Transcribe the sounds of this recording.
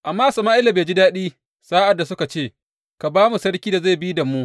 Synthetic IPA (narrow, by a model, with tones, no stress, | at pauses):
ʔa˨mːaː˦˨sɐ˨maː˦ʔɪ˦lːa˨beː˨d͡ʒi˦daː˦ɗiː˦ | saː˦ʔa˨dːa˨sʊ˦ka˨t͡ʃeː˦˨ | ka˨baː˦mu˨sɐ˦ɽkʲiː˦da˨za˦˨bi˦da˨mu˦ʔ